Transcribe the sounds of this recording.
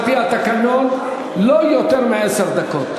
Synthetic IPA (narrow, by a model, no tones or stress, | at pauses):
pijaːt̪ɐkɐnoːn | loːjot̪ɐɾmeɐsɐɾd̪ɐkʰoːt̪